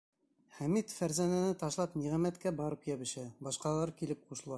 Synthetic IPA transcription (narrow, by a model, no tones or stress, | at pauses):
hæmit̪fæɾzænænɘt̪ɑʃlˠɑpniʁæmæt̪kæbɑɾɤpjæβɘ̆ʃæbɑʃqɑlˠɑɾkilɘp̚quʃɤ̆lˠɑ